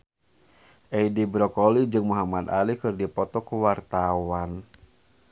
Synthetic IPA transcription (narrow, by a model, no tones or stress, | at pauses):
ʔɛidibɾɔkɔlid͡ʒɨŋmuɦamad̪a̰likɨrdipɔt̪ɔkuwart̪awan